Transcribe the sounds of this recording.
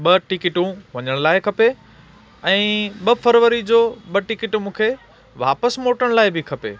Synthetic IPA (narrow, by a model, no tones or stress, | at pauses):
ɓɐʈɪkɪʈũʋɐɲəɽ̃laːɪkʰɐpe | ɛ̃ːɓɐfʰəɾʋəɾid͡ʑoːɓɐʈɪkɪʈmũːkʰe | ʋa̰ːpəsmoːʈəɽ̃laːɪbɪkʰɐpḛː